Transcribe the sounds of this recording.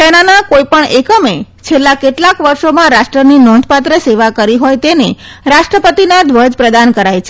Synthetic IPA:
senanakoipəɳekəmet͡ʃʰelːakeʈlakʋəɾʃomãɾaʃʈɾəninɔ̃nd̪ʱpat̪ɾəseʋakəɾiɦojt̪ene | ɾaʃʈɾəpət̪inad̪ʱʋəd͡ʒpɾəd̪ankəɾajt͡ʃʰe

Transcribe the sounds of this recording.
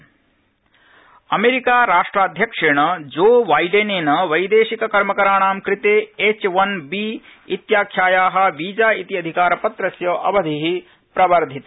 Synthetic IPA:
ɐmeːɾikaːɾaːʂʈɾaːd̪ʱjɐkʂeːɳɐd͡ʒoːʋaːjɖeneːnɐʋɐjd̪eːʃikɐkɐɾmɐkɐɾaːɳ̃aːmkɾɪt̪eːet͡ʃʋɐnbiːit̪jaːkʰjaːjaːɦɐ̆ʋiːd͡ʒaːit̪iɐd̪ʱikaːɾɐpɐt̪ɾɐsjɐːʔɐʋɐd̪ʱiɦi | pɾɐʋɐɾd̪ʱit̪ɐ

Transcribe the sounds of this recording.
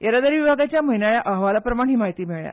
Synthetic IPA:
jəɾad̪əɾʋibʱaɡat͡ɕjaməɦinajaʔəɦʋalapɾəmaɳ̃ɦiːmaɦit̪iːmiɭja̰

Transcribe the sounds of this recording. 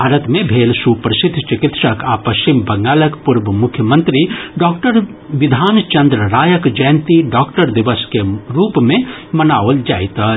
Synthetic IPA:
bʱaːɾət̪mẽbʱeːlsupɾsɪd̪ʱːt͡ʃɪkɪt̪ʃəkaːpɐʃt͡ʃimbɐ̃ŋɡaːləkpuɾbəmʊkʰjəmə̃nt̪ɾiɖɔːkʈəɾ | ʋɪd̪ʱaːnt͡ʃɐ̃nd̪ɾəɾaːjəkd͡ʒajnt̪iɖɔːkʈəɾd̪iʋəskeɾuːpmẽmɐnaːʋəld͡ʒa̰ːit̪ə

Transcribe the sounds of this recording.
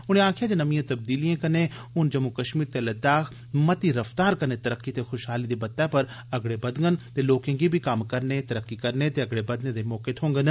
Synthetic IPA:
ʊnẽãːkʰijad͡ʒãnɐmijãt̪ɐb̚d̪iːlijẽkɐnẽ | ʊnd͡ʒɐmːukɐʃmiːɾt̪elɐd̪aːx | mɐt̪iɾɐft̪aːɾkɐnet̪ɐɾəkːit̪exʊʃɦaːlid̪ebɐt̪ːapɐɾ | ɐɡɽebɐd̪ŋɡənt̪eloːkẽkibʱikaːmkɐɾnet̪ɐɾəkːikɐɾnet̪eɐɡɽebɐd̪nẽd̪emɔːket̪ʰõːŋɡən

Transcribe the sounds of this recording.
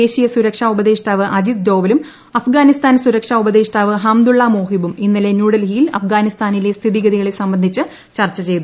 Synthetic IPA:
eːɕijɐsuɾɐkʂaːubɐðeːʂʈaːʋɨʔɐd͡ʑid̪̚d̪o̞ːʋɐlum | ɐfɡaːnist̪aːnsuɾɐkʂaːubɐd̪eːʂʈaːʋɨɦaːmd̪uɭːamoːɦibuminːɐle̞njuːɽɐlɦijilɐ̰fɡaːnist̪aːnile̞st̪ʰiðiɡɐðiɣɐɭesɐmbɐnd̪ʱit͡ɕːɨ | t͡ɕɐrt͡ɕːɐt͡ɕe̞jt̪u

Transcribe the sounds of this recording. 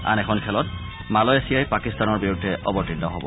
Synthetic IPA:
a̰nɛkʰɔnkʰɛlɔt | malɔjasijajpakistanɔɹbiɹudʱːɛʔɔbɔtindɔɦɔbɔ̰

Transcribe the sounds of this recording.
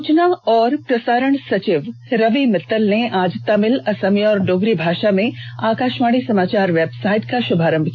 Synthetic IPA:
t͡ʃnaɔːɾpɾɐsaːɾəɳ̃sɐt͡ʃɪʋɾɐʋimɪt̪ːəlneʔaːd͡ʑt̪ːamɪlɐsɐmiɔːɾɖoːɡɾibʱaːʃamẽaːkaːʃmaːɽ̃isɐmaːt͡ɕaːɾʋebsaːɪt̪kʰaʃʊbʱaːɾə̃mbʱki

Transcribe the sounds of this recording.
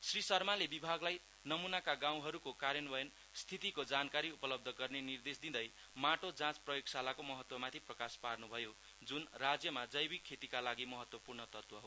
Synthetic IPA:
srisʌrmalebibʱaɡlaj | nʌmunakaɡãw̃ɦʌɾukokaɾjʌnbʌjen | st̪ʰit̪ikod͡zankaɾiupʌlʌb̚d̪ʱʌɡʌrnenird̪esd̪ĩd̪ʌj | maʈod͡zãt͡sprʌjoɡsalakomʌɦʌt̪wʌmat̪ʰiprʌkasparnubʱʌjo | d͡zunrad͡zjʌmad͡zʌjbikʰːet̪ikalaɡimʌɦʌt̪wʌpurnʌt̪ʌrt̪wʌɦo

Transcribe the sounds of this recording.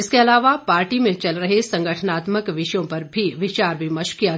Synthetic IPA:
ɪskeɐlaːʋapaːɾʈimẽt͡ʃɐlɾɐɦesɐ̃ŋɡʱəʈʰənaːt̪məkʋɪʃjõpɐɾbʱiʋɪt͡ʃaːɾbimɐʃkia

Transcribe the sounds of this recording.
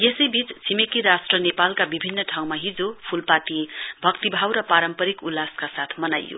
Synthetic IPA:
jesʌjbʱit͡st͡sʰimekiɾasʈrʌnepalkabibʱinːʌʈʰaw̃maɦid͡zopʰulpat̪ibʱʌkt̪ibʱawɾʌpaɾʌmpʌɾikulːaskasat̪ʰmʌnajo̰

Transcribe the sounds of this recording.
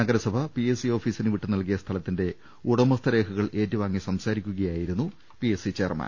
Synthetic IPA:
nɐɡɐɾɐsɐbʱɐpiesio̞ːfiːsinɨʋiʈːunɐlkijɐst̪ʰɐlɐt̪ːinde̞ | uɽɐmɐst̪ɐɾe̞ːkʰɐɣɐɭʔe̞ːtːuʋaːŋːisɐmsaːɾikʲːuɣɐjaːjiɾunːu | pijesit͡ɕe̞ːrma̰ːn

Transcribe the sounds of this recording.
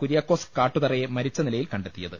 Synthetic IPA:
kuɾijaːkːo̞ːskːaːʈːuðɐrɐjemɐɾit͡ɕːɐnilɐjilkɐɳɖe̞t̪ːijɐðɨ

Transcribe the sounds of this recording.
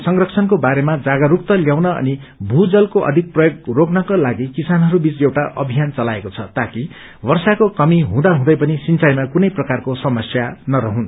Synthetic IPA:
sʌŋrʌkt͡sʰʌnkobaɾemad͡zaɡʌɾuk̚t̪ʌljawnʌʌ̰ni | bʱud͡zʌlkoʔʌ̰d̪ʱik̚prʌjoɡroɡnʌkolaɡikisanɦʌɾubit͡sewʈaʔʌ̰bʱijant͡sʌlaekot͡sʰʌt̪aki | bʌrsakokʌmiɦũd̪aɦũd̪ʌjpʌnisint͡sajmakunʌjprʌkarkosʌmʌsjanʌɾʌɦũn

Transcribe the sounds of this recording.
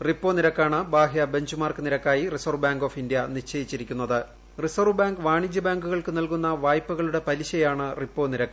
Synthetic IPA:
ripːo̞ːniɾɐkːaːɳɨbaːɦijɐbe̞ɲd͡ʑumaːrkɨniɾɐkːaːjirisorbaːŋɡo̞ːfindjɐniʂt͡ɕːɐjit͡ɕːiɾikʲːunːɐðɨ | risorʋbaːŋɡɨʋaːɳid͡ʑɐbaːŋɡuɣɐɭkɨnɐlkun̪ːɐʋaːjpːɐɣɐɭuɽe̞pɐɾiɕɐjaːɳɨripːo̞ːniɾɐkː

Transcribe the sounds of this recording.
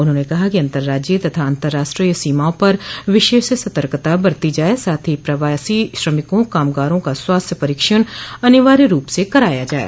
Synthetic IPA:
ʊn̤ɦõːnekɐɦakiɐ̃nt̪əɾːaːd͡ʒet̪ɐt̪ʰaɐ̃nt̪əɾːaːʃʈɾiːsiːmaːõpɐɾʋɪʃeːʃsɐt̪əɾkt̪abɐɾt̪id͡ʒaːesaːt̪ʰipɾɐʋaːsiʃɾəmɪkõkaːmɡaːɾõkaswaːst̪ʰjəpɐɾiːkʃəñɐnɪʋaːɾiɾuːpsekɐɾaːjad͡ʒaːḛ

